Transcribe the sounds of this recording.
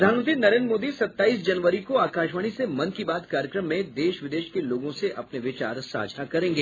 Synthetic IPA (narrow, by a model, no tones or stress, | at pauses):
ɾd̪ʱaːnmə̃nt̪ɾinɐɾẽːnɾmoːd̪isɐt̪ːaːiːsd͡ʒɐnʋəɾikoaːkaːʃʋəːɽ̃isemɐnkibaːd̪kaːɾjəkɾəmːẽd̪eːʃʋɪd̪eːʃkeloːɡõseʔɐpneʋɪt͡ʃa̰ːɾsa̰ːd͡ʒʱnakɐɾẽːŋɡeː